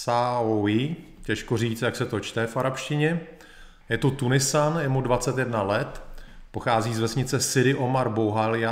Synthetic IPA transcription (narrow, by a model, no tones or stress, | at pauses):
saoi | cɛʃkoriːt͡st̪jaksɛt̪o̞t͡ʃt̪ɛfaɾapʃcɪɲɛ | jɛt̪ut̪unɪsanjɛmudvat͡sɛt̪jɛdnalɛt̪po̞xaːziːzvɛsɲɪt͡sɛsɪɾɪʔomaɾbowɦalɪa